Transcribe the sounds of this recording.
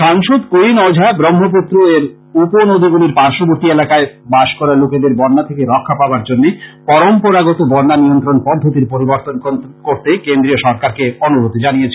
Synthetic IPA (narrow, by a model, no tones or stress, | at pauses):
ʃaŋʃod̪koinɔd͡ʑʱabɾomːop̬ut̪ːɾoeɾ | uponod̪ʱiɡuliɾpaɾʃoboɾt̪ielakaebaʃkɔɾaloked̪eɾbɔɾːat̪ʰekeɾɔkʰːapabaɾd͡ʑonːepɔɾompoɾaɡɔt̪obɔnːanijont̪ɾonpɔd̪ʱːot̪iɾpoɾiboɾt̪onkoɾt̪ekend̪ɾioʃɔɾkaɾkeonuɾot̪id͡ʑanijet͡ɕʰe